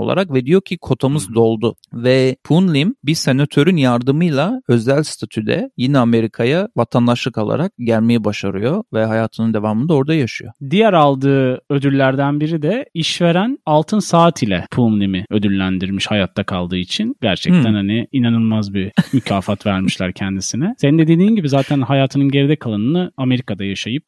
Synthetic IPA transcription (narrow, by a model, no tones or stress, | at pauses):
olˠa̰ɾakvɛd̪ijocʰikʰo̞t̪ʰamɯzd̪o̞lˠd̪ʊvɛpʰunlʲimbise̞nat̪ʰø̞ɾynjaɾd̪ɯmɯjlˠaø̞zælʲst̪ʰat̪ʰyd̪ɛ̰jinɛame̞ɾikʰajavat̪ʰand̪aʃlˠɯkalˠa̰ɾak̚ɟælʲme̞jibaʃaɾɯjo̞vɛɦajaːt̪ʰɯnɯnd̪e̞vaːmɯnd̪ao̞ɾd̪ajaʃɯ̰jo̞̰d̪ijæɾalˠd̪ɯːø̞d̪ylʲːæɾd̪ænbiɾid̪ɛiʃve̞ɾænalˠt̪ʰɯnsaːt̪ʰilʲɛ̰pʰumnemiø̞d̪ylʲːænd̪iɾmiʃhajat̪ʰːakʰalˠd̪ɯːit͡ʃʰinɟæɾt͡ʃʰɛkt̪ænhaniinanɯlˠmazbimycʰaːfat̪væɾmiʃlʲæ̰ɾcʰɛnd̪isinɛsenind̪ee̞d̪iːnmɟibizaːt̪ʰænɦajaːt̪ʰɯnɯnɟe̞ɾid̪ɛkʰalˠanɯnɯame̞ɾikad̪ajaʃajɯp̚